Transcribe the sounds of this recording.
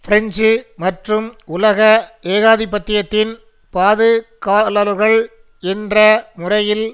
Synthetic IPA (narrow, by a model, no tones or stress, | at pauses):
fɪɾɛɲd͡ʒɯmɐʈrɯmʊlɐɣɐeːɣaːðɪpːɐt̪ːɪjɐt̪ːɪn | paːðɯkaːlɐlɣɐɭ | ɛndrɐmʊrɐjɪl